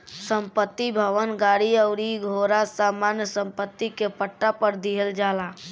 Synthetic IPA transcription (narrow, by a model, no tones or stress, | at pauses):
sə̃mpət̪ːibʱəʋənɡaːɽiəʊɾiɡʱoːɾasaːmaːnjəsə̃mpət̪ːikepəʈːapəɾd̪iɦəld͡ʒaːla